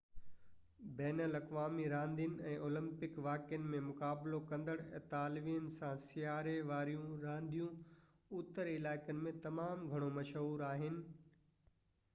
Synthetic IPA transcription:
bɛːnəlɐkʋaːmiɾãːnd̪ʱiən̆ɛ̃ːʔoːlə̃mpɪkʋaːkjənɪ̆mẽmʊkaːblokɐ̃nd̪əɽɛːt̪aːlɪʋiənɪ̆sãsɪjaːɾeʋaːɾijũɾãːnd̪ʱijũ | ut̪əɾɪlaːɪkənɪ̆mẽt̪ɐmaːmɡʱɐɽ̃omɐʃɦuːɾaːɦɪnɪ̆

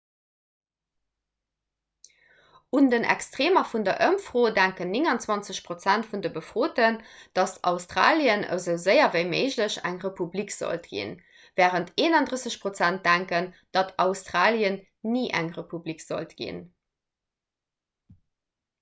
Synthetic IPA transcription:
undənʔæ̰kstʁeːmɐfundɐʔəmfʁoːdæŋkənːiŋɑnt͡swɑnt͡səɕpʁot͡sæntfundəbəfʁ̥oːtənd̥ɑstʰɑ̰ʊstʁa̰ːljənə̰zəʊzəɪɐvəɪmeɪʑləɕæ̰ŋʁepublikz̥o̰ltɡ̥ḭn | væːʁəntʰeːnɑndʁəsəɕpʁot͡sænt̚d̥æŋkənd̥ɑtʰɑʊstʁaːliən | niːʔæŋʁepublikz̥o̰ltɡ̥ḭn

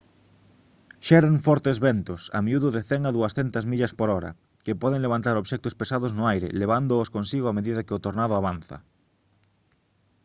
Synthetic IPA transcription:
ʃɛɾaŋfɔɾt̪ezβɛnt̪ʊsa̰miuðʊðɪθɛŋaðuɐsθɛnt̪ɐzmiʎɐspoɾɔɾɐ̰ | kɪpɔðeŋleβ̞ant̪aɾoβʃɛk̚t̪ospesaðʊznʊajɾɪ̰leβ̞and̪ʊːskonsiɣoameðiðɐkɪʊt̪oɾnaðʊaβan̟θɐ̰

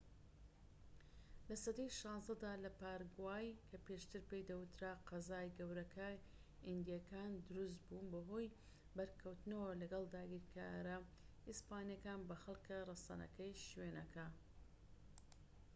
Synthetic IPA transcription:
lɐsɐd̪ejʃɑːnzɐd̪aːlɐpaːɾɡwaːjkʰɐpeʃt̪ɨɾpejd̪ɐwɨt̪ɾaqɑzaːjɡɐwɾɐkʰa | ind̪ijakʰaːnd̪ʊɾus̬t̪buːnbɐɦoːj | bɐɾkʰɐwt̪nɐwɐlɐɡɐlˠd̪aːɡiːɾkʰa̰ɾɐ | ispaːnijɐkaːnbɐxɐlˠkɨrˤɐsɐ̰nɐ̰kɐjʃweːnɐkʰa

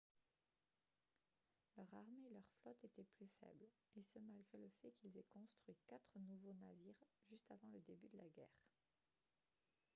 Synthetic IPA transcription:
lœʁaʁmeːlœʁflɔt̪et̪ɛplyfɛ̰bl | esəmalɡʁeləfɛkilzɛkɔ̃st̪χɥikat̪χənuvonaviːʁʒyst̪avɑ̃ləd̪ebyd̪əlaɡʲɛ̰ːʁ

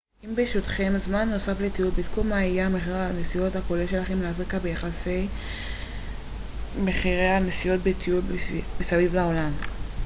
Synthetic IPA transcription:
imbeʃotχe̞mzmanːo̞saflet̪iulbit̪kumaijameχiʁenesijothako̞leʃe̞laχe̞mleafʁikabejaχasej | meχiʁejhanesijo̞t̚betʰiulbesavivlao̞lam

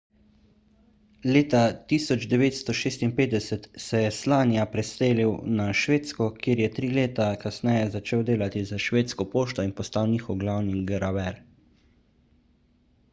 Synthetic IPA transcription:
leːt̪at̪isɔd͡ʒd̪ɛʋeːt̪st̪ɔʃeːst̪inpeːd̪d̪ɛsɛt̪sɛjɛslaːnijapɾɛseːliwnaʃʋeːt̪skɔkjeːɾjɛt̪ɾiːleːt̪akasnɛːjɛzat͡ʃeːwd̪eːlat̪izaʃʋeːt̪skɔpoːʃt̪ɔinpɔst̪awniːxɔwɡlawniɡɾabɛɾ

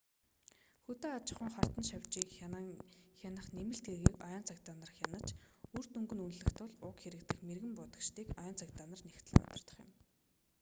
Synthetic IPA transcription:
xut̪eːat͡ɕɪ̥̆χʊ̆ŋχar̥t̪ə̆nʃawʲt͡ɕiːk | xʲanə̆χnemɘ̆ɬt̪ɡeɣiːkɔjɔːnt͡sʰakt̪aːnə̆rə̆χjanə̆t͡ɕur̥t̪ɵŋɡɵ̆nunɮɘ̆xt̪ʊɮʊkxeɾɘ̆kt̪ɘ̆xmerɣɘ̆mpʊt̪ə̆kʃt̪iːkɔjɔːnt͡sʰakt̪aːnə̆rnext̪ʰɘ̆ɮpʊ̰t̪ɞ̆rt̪ə̆χjə̰̆m

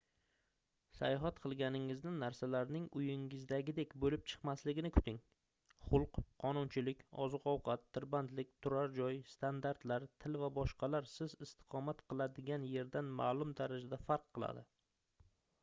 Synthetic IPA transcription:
sa̰jɒɦat̪qʰɨlˠɡʲanɪŋɪznɪnaɾsalaɾnɪŋʊjɪŋɪzd̪aɡʲɪd̪e̞kʲbolɪp̚t͡ʃʰɨ̥qmaslɪɡʲɪnɪkʰʊ̥t̪ʰɪŋ | χʊlˠqːʰɒnʊnt͡ʃʰɪlɪkʲɒ̰zɨqɒwqʰɑt̪ʰːɪɾbant̪lɪk̚ʲt̪ʰʊɾaɾd͡ʒɒjst̪ʰand̪aɾt̪laɾt̪ʰɪlvabɒʃqʰɑlaɾsɪzɪst̪ʰɪ̥qʰɒmat̪qʰɨlˠad̪ɪɡʲanje̞ɾd̪anma̰ːlˠʊmd̪aɾad͡ʒad̪afaɾqʰːɨlˠa̰d̪ɪ

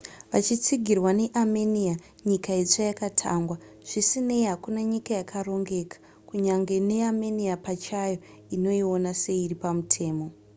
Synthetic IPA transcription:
ʋat͡ʃit͡siɡʱirwane̞ʔamenia | ɲikaet͡ʂajakatʰa̰ːŋɡwa | ʐ̥isine̞iɦakunaɲikajakʰaro̞ŋɡe̞kḁ | kuɲaŋɡe̞ne̞ameniapat͡ʃajo | ino̞io̞nase̞ːripamutʰe̞ːmo̞

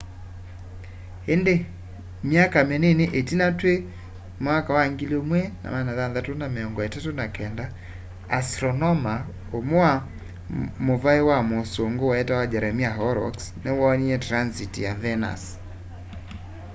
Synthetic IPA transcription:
ende | mjakameneneʔetinatwe | makawaŋɡiliomwɛna̰manaðanðatonameɔŋɡɔɛtatonakɛnda | astɾɔnɔma | omoa | movaewamosoŋɡowaɛtawad͡ʒaɾɛmiaɦɔɾɔ̰ksnewɔɲiɛtɾansitijaðɛna̰s

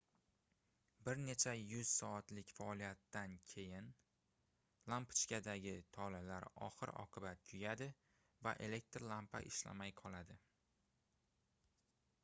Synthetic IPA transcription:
bɪɾne̞t͡ʃʰajʊz̥sɒat̪lɪkʲfaɒlijat̪ːankʲʰe̞jɪn | lˠampɪt͡ʃkʲad̪aɡʲɪt̪ʰɒlalaɾɒ̰χɨɾɒ̰qʰɨbat̪̚kʲʰʊjad̪ɪ | va̰ʔe̞le̞k̚ʲt̪ɾlˠampa̰ʔɪʃla̰majqʰɒlˠad̪ɪ

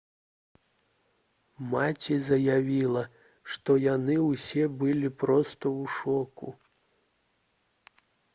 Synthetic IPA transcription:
mat͡sʲizɐjavʲilˠɐ | ʂt̪ɔjanɨwsʲɛbɨlʲipɾɔst̪ɐwuʂɔkṵ

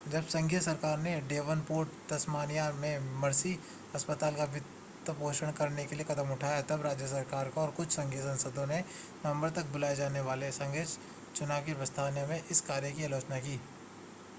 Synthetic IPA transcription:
d͡ʒɐbsɐ̃ŋɡijəsɐɾkaːɾneɖeːʋənpuːɾʈt̪ɐsmaːnijamẽmɐɾsi | ɐspət̪aːlkaʋɪt̪ː | əpoːʃəɽ̃kɐɾnekeliekɐt̪əmʊʈʰaːjat̪ɐbɾaːd͡ʒjəs̬ɐɾkaːɾkaɔːɾkʊt͡ʃʰsɐ̃ŋɡʱijəsɐ̃nsəd̪ʱõne | nɐmbəɾt̪ɐk̚bʊlaːed͡ʒaːneʋaːlesɐ̃ŋɡet͡ʃ | t͡ʃʊnaːʋkipəst̪ʰaːnjəmẽʔɪskaːɾjəkiaːloːt͡ʃnakiː

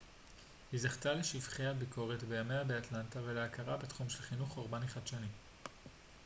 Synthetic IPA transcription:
hizaχtaleʃivχeabikʰo̞ʁetbejamejabeatlantave̞leakaʁabetχumʃe̞lχinuχoʁbaniχadʃanim

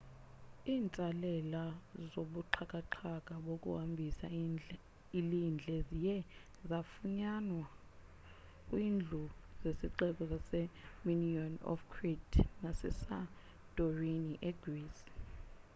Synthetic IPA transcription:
iːnt͡sʼalɛlazoɓuǃʰakʼaǃʰakʼaɓokʼṵhambʱisa̰ | ilind͡ɮʱɛzijɛ | zafuɲanwa | kʼwiːnd͡ɮʱuzesiǃɛk̬ɔzasɛminiɔnɔ̰fkʰritnasɛ̰sa | d̥ʼoriniʔɛɡris

